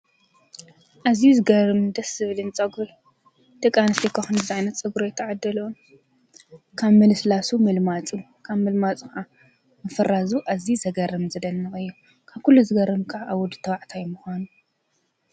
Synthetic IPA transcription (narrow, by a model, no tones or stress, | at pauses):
ʔazijuzɨɡɐɾɨmd̪ɐsɨβlɨnt͡sʼɐɡul | d̪̥ɨkʼanɨst̪ʰikʰaxɨnzɨzaʕajnɐt̪t͡sʼɨɡɾojt̪ʰːɐʕad̪ɐlom | kʰaβmɨlɨslasumɨlmat͡sʼu | kʰaβmɨlmat͡sʼxʔa | mɐfɐrazuʔazizɐɡɐɾɨmzɨd̪ɐnːɨxʼɨjːu | kʰaβkʰulːuzɨɡɐɾɨmkʰɐʕaʔawɔd̪ɨt̪ʰɐwaʕt̪ʰajmʊxʷanu